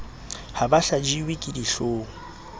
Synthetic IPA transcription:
habaɬad͡ʒiwɪkʼidiɬoːŋ̩

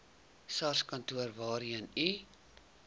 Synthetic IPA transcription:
sɑrskɐntuərvɑːɾiəni

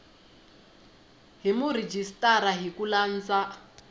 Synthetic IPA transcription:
ɦimurid͡ʒistʼaɾaɦikulan̩t͡sa

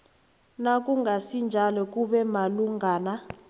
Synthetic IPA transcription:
nakʼuŋɡʱasind͡ʒʱalɔk̬ʼuɓɛmaluŋɡʱaːna

